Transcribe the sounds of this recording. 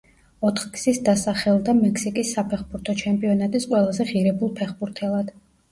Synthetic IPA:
ɔt̪ʰχkz̥isd̪asaχɛlˠd̪amɛksikʼisːapʰɛχbuɾt̪ʰɔt͡ʃʰɛmpʼiɔnat̪ʼisqʼwɛlˠazɛʁiɾɛbulˠpʰɛχbuɾt̪ʰɛlˠad̪̥

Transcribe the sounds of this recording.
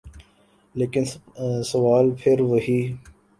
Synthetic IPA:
leːkɪnsɐʋaːlpʰɪɾʋəɦiː

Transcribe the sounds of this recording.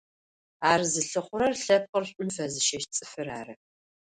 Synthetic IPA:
aːrzɨɬɨχʷʊɾɐrɬɐp̚qərɕʷʼʊnfɐzɨʃɐʃt͡sʼɨ̥fɨraːrɐ

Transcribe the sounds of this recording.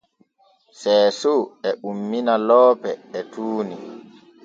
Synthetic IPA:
sɛːsoɛʔumːinalɔːpɛːtʰuːni

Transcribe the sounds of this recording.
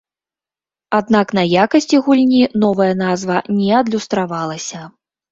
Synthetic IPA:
ad̪̚naknɐjakɐsʲt͡sʲiɣulʲnʲinɔvɐjɐnazvɐnʲɛɐd̪lʲust̪ɾavalˠɐsʲɐ

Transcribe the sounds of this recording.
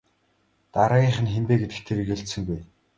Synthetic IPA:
t̪aɾaːɣʲiːɴχə̆nxempeːɡet̪ɘ̆kt̪ʰeɾɘ̆keɬtsɘ̆ŋɡuj

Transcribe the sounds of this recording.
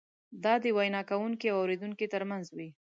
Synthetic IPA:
d̪ɑd̪əwajnɑkawuŋkiawawɾed̪uŋkit̪əɾmanzwi

